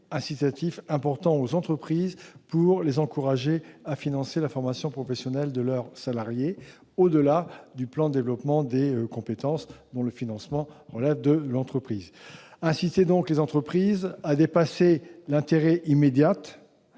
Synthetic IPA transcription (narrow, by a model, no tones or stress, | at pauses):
ɛ̃sit̪at̪ifɛ̃pɔʁt̪ɑ̃ozɑ̃t̪χəpχizpuʁlezɑ̃kuʁaʒeafinɑ̃selafɔʁmasjɔ̃pχɔfesjɔnɛld̪əlœʁsalaʁje | od̪əlad̪yplɑ̃d̪əd̪evlɔpmɑ̃d̪ekɔ̃pet̪ɑ̃sd̪ɔ̃ləfinɑ̃smɑ̃ʁəlɛvd̪əlɑ̃t̪χəpχizɛ̃sit̪ed̪ɔ̃klezɑ̃t̪χəpχizad̪epaselɛ̃t̪eʁɛʔimed̪jat̪